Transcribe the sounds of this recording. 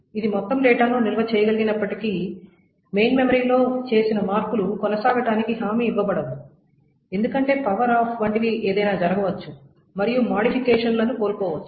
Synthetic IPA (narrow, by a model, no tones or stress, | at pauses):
id̪imɔt̪ːɐmɖeːʈanuːnilɐʋɐt͡ʃɛːjɐɡɐliɡinɐpːɐʈikiː | me̞jnme̞mɐɾiːlo̞ːt͡ʃe̞ːsinɐmaːɾkulukɔnɐsaːɡɐʈaːnikiɦaːmiːʋːɐbɐɽɐd̪u | e̞nd̪ukɐɳʈe̞ːpɐʋɐɾaːpʰʋɐɳʈiʋiʔeːd̪ɐjnaːd͡ʒɐɾɐɡɐʋɐt͡ʃːu | mɐɾijumaːɽipʰikɛːʂɐnlɐnupo̞ːlkɔːʋɐt͡ʃːu